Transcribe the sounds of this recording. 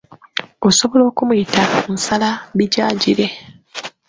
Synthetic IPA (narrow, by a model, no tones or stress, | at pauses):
oso̞βolo̞ːkumujitamusalaβiɟaːɟiɾe